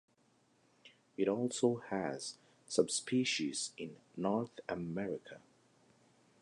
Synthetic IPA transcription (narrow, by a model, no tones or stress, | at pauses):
ɪɾɔlˠsoʊəz̥ | sʌbspʰiˑʃiz̥ɪ̃nːɔɹθəmɛɹɪkʰə